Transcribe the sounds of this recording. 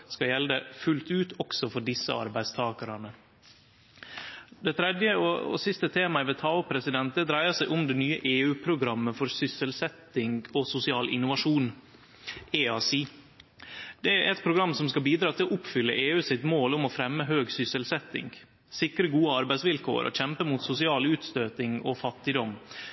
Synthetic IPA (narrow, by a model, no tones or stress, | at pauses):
skɑjɛld̪əfʉlt̪ʉːt̪ɔksɔfɔɖɪsːə̰ɑ̰ɾbæɪst̪ʰɑːkəɾɑnə | d̪ɛt̪ʰɾɛd̪jəoɔ̰sɪst̪ət̪ʰeːmɑɪʋɛt̪ʰɑʊpʰɾɛsɪd̪ɛnt̪əd̪ɾæɪəsæɪʔʊmd̪ɛnyːəʔeːʉːpʰɾʊɡɾɑmːəfɔɾsʏsəlsɛt̪ːɪŋɔsʊsɪɑːlʔɪ̰nʊʋɑʂuːn | eːɑːsiː | d̪̥ɛæɾʔɛt̪̚pʰɾʊɡɾɑmːsɔmskɑlbiːd̪ɾɑːt̪ʰɪlɔʔʊpfʏlːə̰ʔeːʉːsɪt̪moːlʊmɔfɾɛmːəɦøːɡsʏsəlsɛt̪ːɪ̰ŋɡ | sɪkɾəɡuːəɑɾbæɪsʋɪlkʰo̰ːɾʔɔ̰çɛmpəmut̪sʊsɪɑːlʉːt̪st̪øːt̪ɪŋɔ̰fɑt̪ːɪd̪ɔm